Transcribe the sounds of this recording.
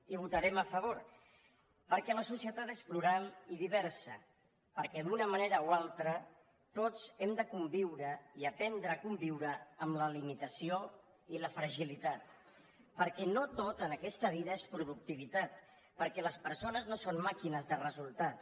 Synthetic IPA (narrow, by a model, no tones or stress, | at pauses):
iβ̞ut̪əɾɛməfəβ̞oɾ | pəɾkɛləsusiət̪at̪espluɾaniðiβ̞ɛɾsə̰ | pəɾkɛd̪unəməneɾəoalˠt̪ɾə | t̪ot͡sɛmd̪əkumbiwɾəiəpɛnd̪ɾəːkumbiwɾəːmləlimit̪əsio | iləfɾəʒilit̪at̪ | pəɾkɛnot̪ot̪ənəkɛst̪əβ̞iðəespɾuðuk̚t̪iβ̞it̪at̪ | pəɾkɛləspəɾsonəznosonmakinəzðərəzulˠt̪at̪